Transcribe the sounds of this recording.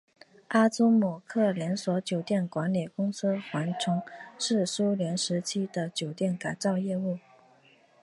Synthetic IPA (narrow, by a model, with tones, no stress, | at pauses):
a˥t͡su˥mɔ˨˩kʰɤ˥˩ljɛ˧˥nswɔ˧˥t͡ɕjo˨˩ʊt̪jɛ˥˩nkwa˧˥nlɛ˨˩kʊ˥ŋs̩˥xwa˧˥nʈ͡ʂʰʊ˧˥ŋʂɻ̩˥˩su˥ljɛ˧˥nʂɻ̩˧˥t͡ɕʰi˥d̪ə˨t͡ɕjo˨˩ʊt̪jɛ˥˩nka˨˩nt͡sɑ˥˧ʊjɛ˥˧u˥˩